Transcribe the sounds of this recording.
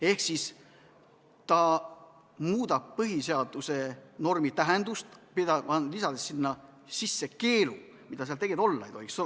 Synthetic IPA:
e̞hksis | t̪ɑ | muːd̪̥ɑb̥̚pɤɦiseɑd̪use̞no̞rmit̪æɦend̪ust̪pid̪ɑɑnlisɑd̪esːinːɑ | sisːe̞ke̞ːlu | mid̪ɑseɑlt̪e̞ɡid̪o̞lːɑejt̪o̞ikso

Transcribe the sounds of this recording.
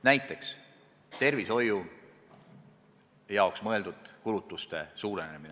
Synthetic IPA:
næjt̪ːˑe̞ks | t̪e̞rviso̞ju | jɑoksmɤe̞ld̪̥ud̪̥̚kulut̪ːˑust̪e̞suːɾenemine

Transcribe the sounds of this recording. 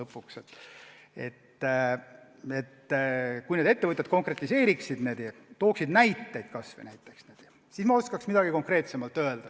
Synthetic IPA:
ɤpːˑukset̪ː | e̞̰t̪ː | e̞t̪ːkujned̪e̞t̪ːe̞vɤt̪ʲjɑt̪̚ko̞ŋkre̞t̪ʲˑːise̞ːɾiksid̪̥ne̞ːd̪jɑt̪o̞ːksid̪næjt̪ːe̞jd̪̥̚kɑsvɨ̰næjt̪ˑːe̞ksneːd̪̥jɑ | sismɑo̞skɑksmid̥̪ɑɡ̥iko̞ŋkre̞ːt̪semɑlt̪ːˑø̞eld̪̥ɑ

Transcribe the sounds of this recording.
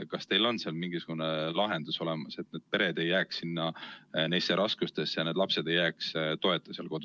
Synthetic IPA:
kɑst̪e̞jlo̞nseɑlmiŋɡ̥isuɡ̥unelɑɦe̞nd̪̥uso̞le̞mɑse̞t̪ːneːd̪̥̚pe̞ɾed̪e̞jːæːksːinːɑnejseɾʔɑskust̪e̞sjɑned̪̥lɑpse̞d̪e̞jːæːkst̪o̞e̞t̪ːˑɑselko̞d̪̥u

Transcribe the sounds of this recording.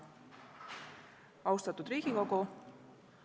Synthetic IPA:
ɑwst̪ɑt̪ud̪ɾiːɡ̥iko̞ɡu

